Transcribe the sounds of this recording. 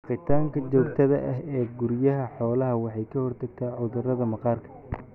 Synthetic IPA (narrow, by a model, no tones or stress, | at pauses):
qɪt̪ʰaːŋkʰɐt͡ʃɔːk̚t̪ʰɐðɐʔɐɦɛːɡʊɾjɐɦɐħɔːlɐɦɐwɑħɑjkʰɐhɔrt̪ʰɐɡ̚t̪ʰaːʕʊðʊrɐðɐmɐqɑːrkʰɐ̥